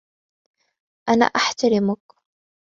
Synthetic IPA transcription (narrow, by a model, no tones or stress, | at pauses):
ʔana̰ːʔaħt̪aɾɪmʊk